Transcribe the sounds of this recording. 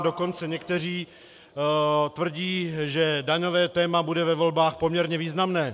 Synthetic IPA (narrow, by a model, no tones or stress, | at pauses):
do̞ko̞nt͡sɛɲɛkt̪ɛr̝iː | t̪vr̩ɟiːʒɛdaɲo̞vɛːt̪ɛːmabudɛvɛvo̞lbaːxpo̞mɲɛɾɲɛviːznamnɛː